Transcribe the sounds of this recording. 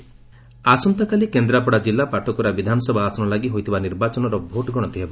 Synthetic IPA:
asɔnt̪akalikend̪ɾapɔɽad͡ʒilːapaʈʰɔkɔɾabid̪ʱanɔsɔbʱaːsɔnɔlaɡiɦojt̪ʰibaniɾbat͡ʃɔnɔɾɔbʱoʈɔɡʱɔɽ̃ɔ̃nt̪iɦebɔ

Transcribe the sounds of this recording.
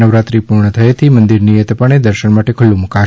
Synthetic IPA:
nəʋɾat̪ɾipuɾɳət̪ʰəjet̪ʰimənd̪iɾnijet̪əpəɳ̃ed̪əɾʃəɳmaʈekʰʊlːũmuka

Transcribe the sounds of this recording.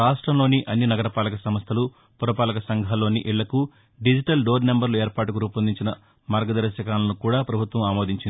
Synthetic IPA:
aːʂʈɾɐmlo̞ːniʔɐnːinɐɡɐɾɐpaːlɐkɐsɐmɐst̪ʰɐlu | puɾɐpaːlɐkɐsɐŋɡʱalo̞ːniʔiɭːɐku | ɖid͡ʒiʈɐlɖoːɾne̞mbɐɾlueːɾpaːʈukuɾuːpɐnd̪iɲt͡ʃinɐ | maːɾɡɐd̪ɐɾɐsɐkaːlɐnukuːɽaːpɾɐbʱut̪ʋɐmaːmo̞ːd̪iɲt͡ʃin

